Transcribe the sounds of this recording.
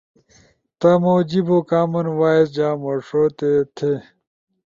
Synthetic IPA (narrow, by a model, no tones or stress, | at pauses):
t̪amoːd͡ʑibokaːmɐnwaːesd͡ʑaːmoʂoːt̪et̪ʰe